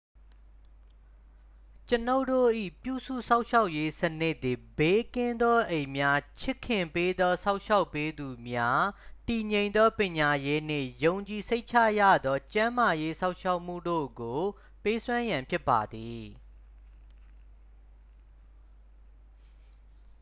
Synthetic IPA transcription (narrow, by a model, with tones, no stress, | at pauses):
t͡ɕəno˦ʊto̰˦˨ʔḭ˦˨pjṵ˦˨sṵ˦˨sã˦ʊʔʃa˦ʊʔje˦sənɪ˦ʔt̪ːi˨be˨˦kɪ̃˦nd̪ɔ˦ʔẽ˨mja˦t͡ɕʰɪ˦˨kʰːɪ̃˨mpe˦d̪ɔ˦sa˦ʊ̃ʔʃa˦ʊpːe˦d̪u˨mja˦ti˨ɲẽ˨ɪ̃nd̪ɔ˦pjɪ̃˨ɲa˨je˦n̥ɪ̰̃˦˨jõ˨ʊ̃ɲt͡ɕi˨se˦ɪʔt͡ɕʰa̰˦˨jä̰˦˨d̪ðɔ˦t͡ɕã˦ma˨je˦sã˦ʊʔʃa˦ʊʔm̥ṵ˦˨do̰˦˨ɡo˨ | pe˦swã˦jã˨mpʰjɪ˦pːa˨d̪ði˨